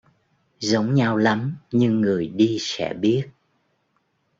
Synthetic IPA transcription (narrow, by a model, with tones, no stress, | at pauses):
zə˨˦wŋ͡mɲa˧wla˨˦mɲɨ˧ŋːɨ˨˩əjɗi˧sɛ̰˧˥ɓi˦˥ət̚